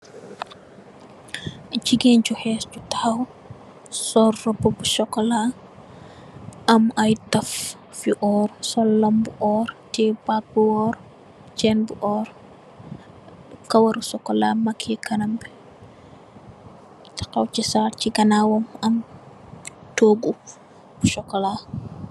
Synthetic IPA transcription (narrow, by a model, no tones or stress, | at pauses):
t͡ʃiɡɛnt͡ʃuhɛːscutɐhɐw | sɔrːɔbɔbusɔkːɔla | ɐmɐjtɐf | fiʔɔːrsɔlːɐmbuʔɔːɾtibak̚buɔːɾ | t͡ʃɛːnbuʔɔːɾ | kɐwɐɾusɔkːɔlamɐkʰːɛkɐnɐmbɛ | tɐ̥kɐwt͡ʃisaɾciɡɐnaːwɔmɐm | toːɡu | b̥uʃɔkːɔla